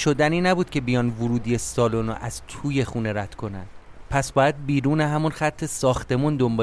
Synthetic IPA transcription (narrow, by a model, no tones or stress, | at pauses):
ʃo̞d̪æniːnæbuːd̪̥̚cʲʰe̞bijɒːnvuɾuːd̪ijesɒːlono̰ʔæz̥t̪ʰuːje̞xuːne̞ɾæt̪kʰo̞næ̰nd̪̥ | pʰæsbɒːjæd̪̚biːɾuːneɦæmunxæt̪ʰːe̞sɒːxt̪e̞mund̪ombɒː